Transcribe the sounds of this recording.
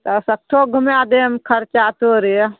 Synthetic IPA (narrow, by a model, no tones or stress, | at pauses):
t̪əsək̚ʈʰoɡʱumjad̪emkʰəɾt͡ʃat̪oɾi